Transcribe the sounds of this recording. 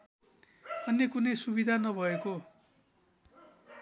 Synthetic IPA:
ʌnːekunʌjsubid̪ʱanʌbʱʌeko

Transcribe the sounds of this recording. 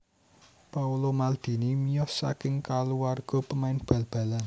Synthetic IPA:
paulomald̪̥i̤nimijɔsa̰kɪŋkaluwarɡ̥ɔ̤pəmaɪnb̥ä̤lb̥ä̤lan

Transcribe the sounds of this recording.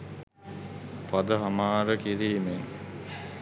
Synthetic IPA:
pad̪əɦamaːɾəkiɾiːmeŋ

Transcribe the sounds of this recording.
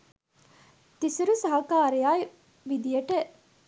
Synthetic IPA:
t̪isiɾusɐɦɐkaːɾejaːi | ʋid̪ijɐʈeʔ

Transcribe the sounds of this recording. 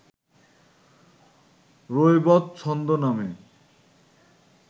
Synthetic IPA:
ɾojbɔt̪̚t͡ɕʰɔnd̪oname

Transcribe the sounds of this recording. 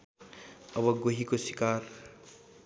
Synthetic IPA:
ʌbʌɡoɦikosikar

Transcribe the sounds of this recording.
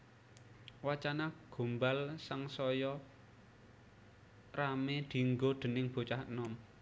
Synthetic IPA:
wat͡ʃanaɡ̥o̤mbalsaŋsɔjɔ | ramed̪̥i̤ŋɡod̪̥ə̤nɪŋb̥o̤t͡ʃahənɔm

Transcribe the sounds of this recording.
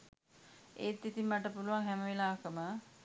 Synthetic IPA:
eːt̪ːit̪imːəʈəpuluʋaŋɦɛməʋelaːkəmə

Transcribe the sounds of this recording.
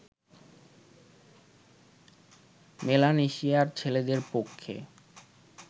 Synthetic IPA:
melaneʃiaɾt͡ɕʰeled̪eɾpokʰːḛ

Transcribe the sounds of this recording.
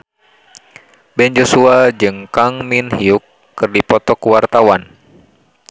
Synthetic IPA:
bɛnd͡ʒosuad͡ʒɨŋkaŋminhiukː | ɨrdipɔt̪ɔkuwart̪awan

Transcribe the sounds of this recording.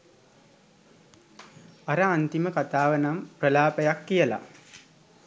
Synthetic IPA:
aɾəant̪iməkat̪aːʋənamprəlaːpejakːijəla̰

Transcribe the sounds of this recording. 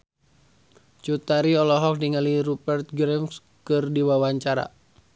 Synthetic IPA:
t͡ʃut̪aɾiɔlɔɦɔk̚diŋəliɾupərt̪̚ɡɾɛms | kɨrdiwawaɲt͡ʃaɾa̰

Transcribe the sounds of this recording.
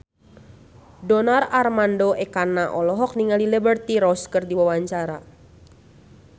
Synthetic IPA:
donararmandoʔɛkanaʔɔlɔɦɔk̚niŋalilibərt̪iɾɔskɨrdiwawaɲt͡ʃaɾa

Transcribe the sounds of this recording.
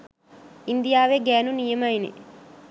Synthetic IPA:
ind̪ijaːʋeɡæːnunijəmɐinḛ

